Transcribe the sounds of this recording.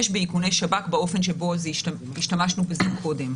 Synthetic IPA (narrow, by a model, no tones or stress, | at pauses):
eʃbeikunejʃabakbao̞fe̞nʃebo̞ze | iʃtamaʃnubezimkʰo̞de̞m